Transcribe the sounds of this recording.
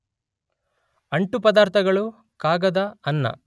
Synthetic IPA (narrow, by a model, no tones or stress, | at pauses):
ɐɳʈupɐd̪aːɾt̪ʰɐɡɐɭu | kaːɡɐd̪ɐɐnːɐ̰